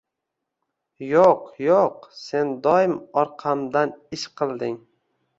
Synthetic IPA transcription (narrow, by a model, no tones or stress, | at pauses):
joqjoqse̞nd̪ɒjɪmɒɾqʰɑmd̪anɪʃqʰɨlˠd̪ɪŋ